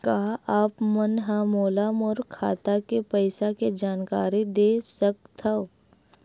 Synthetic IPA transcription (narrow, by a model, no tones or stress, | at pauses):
kaːaːpmənɦãmoːlamʊɾkʰːa̰ːt̪akepəɪsaked͡ʒaːnkaːɾid̪eːsək̚t̪ʰao